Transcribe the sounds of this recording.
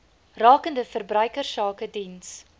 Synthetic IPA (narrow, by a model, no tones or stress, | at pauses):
rɑːkəndəfərbrœɥkərsɑːkədins